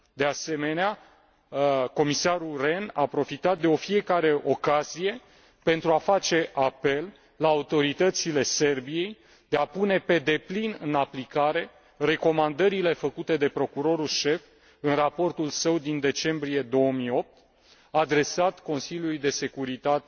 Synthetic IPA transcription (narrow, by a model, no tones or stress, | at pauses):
d̪e̞ase̞me̞nea | ko̞misaɾure̞napɾo̞fit̪at̪̚d̪e̞o̞fie̞kaɾe̞ʔo̞kazije̞ | pe̞nt̪ɾuafat͡ʃe̞ʔape̞lː | aːut̪o̞ɾit̪ət̪sile̞se̞rbije̞j | d̪̥e̞apune̞pe̞d̪e̞plinɨnaplikaɾe̞ | re̞ko̞mand̪əɾile̞fəkut̪e̞d̪e̞pɾo̞kuɾo̞ɾulʃe̞f | ɨnrapo̞rt̪ulsəwd̪ind̪e̞t͡ʃe̞mbɾije̞d̪o̞wəmijo̞p̚t̪ | ad̪ɾe̞sat̪ko̞nsilʲjulujd̪e̞se̞kuɾit̪at̪e